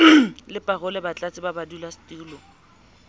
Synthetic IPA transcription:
lɪpʼarʊlɛbat͡ɬʼat͡sʼɪbabadulastuːlɔ

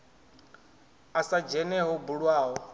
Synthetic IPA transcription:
asad͡ʒɛnɛɦɔbuɺwaːɦɔ

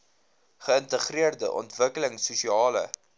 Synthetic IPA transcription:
χəəntəχriərdəʔɔ̰ntvəkələŋsusiɑːlə̰

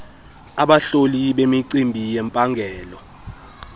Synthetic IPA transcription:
aɓaɬoliɓemiǀimbʱijɛmpʼaŋɡʱɛːlɔ

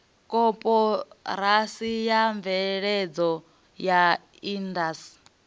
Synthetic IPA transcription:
kʼɔpʼɔɾasijaɱvɛɺɛd͡zɔ | ja | indas

